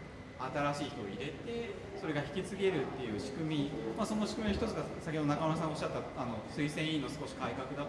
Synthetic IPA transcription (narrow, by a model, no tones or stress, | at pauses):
at̪aɾaɕiːçit̪o̞̰ːiɾe̞t̪e̞ | so̞ɾe̞ɡaçi̥kʲit͡sɨɡe̞ɾɯ̟t̪ːe̞jɯ̟ːɕi̥kɯ̟mʲimaso̞no̞ɕi̥kɯ̟mʲioçi̥t̪o̞t͡sɨɡasakʲeoonakamonasãŋɡaoɕat̪ːaano̞sɨisẽɰ̃ĩno̞sɨ̥ko̞ɕi̥kaikakɯ̟d̪a